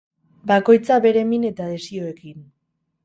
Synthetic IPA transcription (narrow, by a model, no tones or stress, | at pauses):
bako̞jt͡saβe̞ɾe̞mine̞t̪aðe̞sio̞e̞kin